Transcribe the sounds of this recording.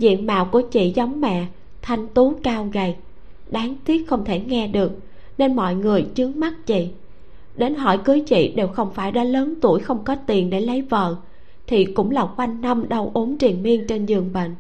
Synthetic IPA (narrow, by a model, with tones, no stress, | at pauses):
zḭ˧˨ənma̰ː˧˨wku˧˩ət͡ɕḭ˧˨za˨˦wŋ͡mmɛ̰˧˨ | t̪ʰa˧jŋ̟t̪u˨˦kaː˧wɣa˨˩j | ɗaː˨˦ŋt̪ʰi˦˥ət̚xə˧wŋ͡mt̪ʰe˧˩ŋɛ˧ɗɨ˨˩ək̚ | ne˧nmɔ̰˧˨jŋɨ˨˩əjt͡ɕɨ˨˦əŋma˦˥t̚t͡ɕḭ˧˨ | ɗe˨˦nɦɔ̰˧˩jkɨ˨˦əjt͡ɕḭ˧˨ɗe˨˩wxə˧wŋ͡mfaː˧˩jɗa̰ː˧˥ləː˨˦nt̪u˧˩əjxə˧wŋ͡mkɔ˨˦t̪i˨˩ənɗe˧˩lə˨˦jvə̰ː˧˨ | t̪ʰi˨˩kʊ̰˧˥ŋ͡mlaː˨˩kwa˧jŋ̟na˧mɗə˧wʔo˨˦nt͡ɕi˨˩ənmi˧ənt͡ɕe˧nzɨ˨˩əŋɓḛ˧˨n